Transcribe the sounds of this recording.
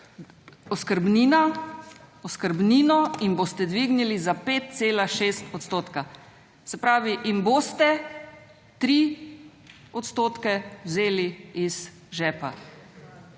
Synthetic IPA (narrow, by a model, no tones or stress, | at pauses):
ɔskəɾbnina | ɔskəɾbniːnɔinboːst̪ɛd̪ʋiɡnilizapeːt̪̚t̪seːlaʃeːst̪ɔt̪st̪oːt̪ka | sɛpɾaːʋiʔinboːst̪ɛ | t̪ɾi | ɔt̪st̪oːt̪kɛwzeːliiz | ʒɛːpa̰